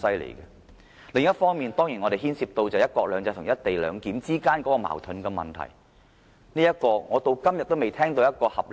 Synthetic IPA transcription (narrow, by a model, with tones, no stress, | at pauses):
sɐ˥jlḛ˨˩kɛ˧ | lɪ˨ŋjɐ˥t̚fɔː˥ŋmiː˨nt̪ɔː˥ŋjiː˨˩nŋɔ˨˧ɾe˨jɦiː˥nsiː˧p̚t̪o˧wt͡sɐ˨jɐ˥t̚kɔː˧k̚lœː˨˧ŋt͡sɐ˨˧t̪ʰʊ˨˩ŋjɐ˥t̚t̪e˨jlœ̰ː˨˧ŋkiː˨˥mt͡siː˥kaː˥nkɔː˨˥kɔː˧ma̰ː˨˩wt̪ʰɵ˨˥nkɛ˧mɐ̰˨nt̪ʰɐ̰˨˩j | niː˥jɐ˥t̚kɔː˧ŋɔː˨˧t̪o˧wkɐ˥mjɐ˨t̚t̪ːo˥wme˨jt̪ʰɛː˥ŋt̪o˧wjɐ˥t̚kɔː˧hɐ˨p̚l